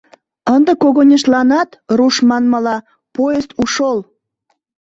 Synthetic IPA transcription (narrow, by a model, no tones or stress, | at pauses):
ənd̪əkoɣonʲeʃlɑnɑt̪ruʃmɑnmɑlɑ | pojest̪uʃol